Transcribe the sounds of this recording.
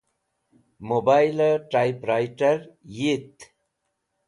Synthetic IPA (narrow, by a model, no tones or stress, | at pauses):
mobajlʈajpɾajʈaɾjit̪